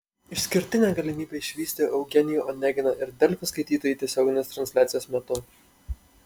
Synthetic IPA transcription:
ɪʃsʲkʲɪɾʲt̪ʲɪnʲæːɡɐlʲɪmʲiːbʲeɪʃʲʋʲiːsʲt̪ʲeʔɐʊɡʲɛnʲɪjuːʔɔnʲɛɡʲɪnoʔɪɾd̪ʲɛlʲfʲɛskɐɪt̪ʲiːt̪oːjiːˑt̪ʲiɛsʲoːɡʲɪnʲeːst̪ɾɐnʲsʲlʲæːt̪sʲjoːsmʲɛt̪ʊ

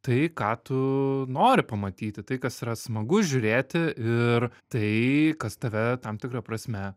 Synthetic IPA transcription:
t̪ɐɪkɑːt̪ʊnoːɾʲɪpɐmɐt̪ʲiːt̪ʲɪt̪ɐɪkɐsiːɾɐsmɐɡʊʒʲʊɾʲeːt̪ʲɪɪrt̪ɐɪkɐst̪ɐʋʲɛt̪ɐmt̪ʲɪkɾɐpɾɐsʲmʲɛ

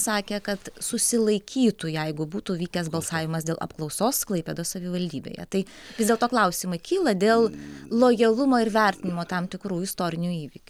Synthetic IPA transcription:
sɑːkʲeːkɐt̪sʊsʲɪlˠɐɪkʲiːt̪ʊjɛɪɡʊbuːt̪uːʋʲiːkʲɛsbɐlˠsɑːʋʲɪmɐsd̪ʲeːlˠʔɐ̰pklˠɒʊsoːsklˠɐɪpʲeːd̪oːsɐʋʲɪʋɐlʲd̪ʲiːbʲḛːjɛ̰t̪ɐɪʋʲɪzdʲeɛlˠt̪oːklˠɐʊsʲɪmɐɪkʲiːlˠɐd̪ʲeːlˠlˠoːjɛlˠʊmoːɪɾʋʲæɾʲt̪ʲɪnʲɪmoːt̪ɐmt̪ʲɪkɾuːjɪst̪oːɾʲɪnʲuiːʋʲiːkʲ

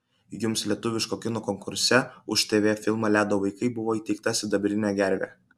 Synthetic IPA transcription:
jʊmslʲiɛt̪ʊʋʲɪʃkoːkʲɪnoːkɔŋkʊɾʲsʲɛʊʃʲt̪ʲeːʋʲeːfʲɪlˠmɐlʲæːd̪oːʋɐɪkɐɪbʊʋoːiːt̪ʲɛɪk̚t̪ɐsʲɪd̪ɐbʲɾʲɪnʲæɡʲæɾʲʋʲæ̰

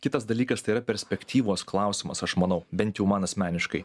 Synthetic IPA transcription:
kʲɪt̪ɐsd̪ɐlʲiːkɐst̪ɐɪiːɾɐpʲɛɾʲsʲpʲɛkʲt̪ʲiːʋoːsklˠɑˑʊsʲɪmɐsɐʃmɐnɐʊbʲɛnt̪ʲjɛʊmɑnɐsʲmʲæːnʲɪʃkɐɪ

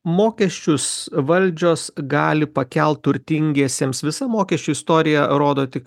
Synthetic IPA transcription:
moːkʲɛʃʲt͡ʃʲʊsʋɐlʲd͡ʒʲoːsɡɑːlʲɪpɐkʲɛlˠt̪t̪ʊɾʲt̪ʲɪŋʲɡʲeːsʲeːmsʋʲɪsɐmoːkʲɛʃʲt͡ʃʲʊɪst̪oːɾʲɪjɛɾoːd̪oːt̪ʲɪk

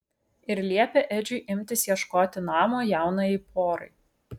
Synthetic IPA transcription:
ɪɾlʲiɛpʲeʔɛd͡ʒʲʊɪʔɪmʲt̪ʲɪsjiɛʃkoːt̪ʲɪnɑːmoːjæˑʊnɐipʰoːɾɐɪ

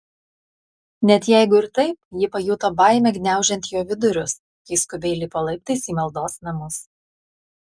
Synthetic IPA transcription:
nʲɛt̪jæˑɪɡʊɪɾt̪ɐɪpjɪpɐjuːt̪oːbɑˑɪmʲɛɡʲnʲæˑʊʒʲɛnt̪joːʋʲɪd̪ʊɾʲʊs | kɐɪskʊbʲeːlʲipoːlˠɐɪp̚t̪ɐɪsiːmɐlˠd̪oːsnɐmʊs

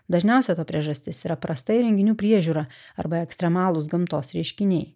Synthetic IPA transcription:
d̪ɐʒʲnʲɛˑʊsʲɛt̪oːpʲɾʲiɛʒɐsʲt̪ʲɪsiːɾɐpɾɐst̪ɐɪɾʲɛŋʲɡʲɪnʲuːpʲɾʲiɛʒʲuːɾɑːɐ̰ɾbɐɛksʲt̪ɾʲɛmɑːlˠʊsɡɐmt̪oːsɾʲɛɪʃʲkʲɪnʲɛɪ

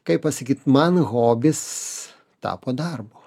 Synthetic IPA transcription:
kɐɪppɐsɐkʲiːt̪mɐnɣoːbʲɪs | t̪ɑ̰ːpoːd̪ɐrboː

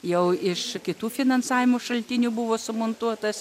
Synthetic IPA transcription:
jɛʊɪʃkʲɪt̪uːfʲɪnɐnsɑːʋʲɪmoʃɐlʲt̪ʲɪnʲuːbʊʋoːsʊmont̪uɔt̪ɐs

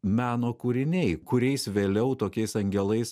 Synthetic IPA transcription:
mʲæːnoːkuːɾʲɪnʲɛɪkʊɾʲɛɪsʋʲeːlʲɛʊt̪oːkʲɛɪsɐŋʲɡʲɛlˠɐɪs

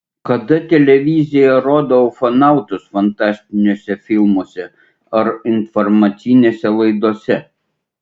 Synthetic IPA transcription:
kɐd̪ɐt̪ʲɛlʲɛʋʲɪzʲɪjɛɾoːd̪oːʊfɐnɑˑʊt̪ʊsfɐnt̪ɑːsʲt̪ʲɪnʲoːsʲɛfʲɪlˠmoːsʲɛ | ɐɾɪnfɔɾmɐt̪sʲɪnʲeːsʲɛlˠɐɪd̪oɔsʲɛ

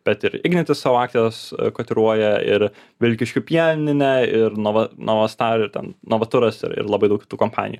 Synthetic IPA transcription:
b̥ʲɛt̪ɪɾɪɡnʲɛt̪ʲɪssɑːʋoɑːk̚t̪ʲeskoːt̪ʲɪɾuɔjɛɪ̰ɾʋʲɪlʲkʲɪʃʲkʲʊpʲjiɛnʲɪnʲɛɪɾnoʋɐnʔoʋɐst̪ɑːɾɪɾt̪ʲɛ̰nnoʋɐt̪ʊɾɐsɪ̰ɾɪ̰ɾlˠɐbɐɪdɐʊkʲɪ̥t̪uːkompɑ̰ːnʲɪ̰ju

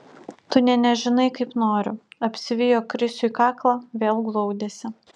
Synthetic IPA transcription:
t̪ʊnʲɛnʲɛʒʲɪnɐɪkɐɪpnoːɾʲʊɐpʲsʲɪʋʲɪjoːkɾʲɪsʲʊiːkɑːklˠɑʋʲeːlˠɡlˠɔʊd̪ʲeːsʲɪ

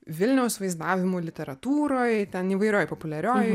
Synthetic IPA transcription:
ʋʲɪlʲnʲɛʊsʋɐɪzd̪aːʋʲɪmuːlʲɪt̪ʲɛɾɐt̪uːɾoːjt̪ʲɛniːʋɐɪɾʲoːjpoːpʊlʲɛɾʲoːj

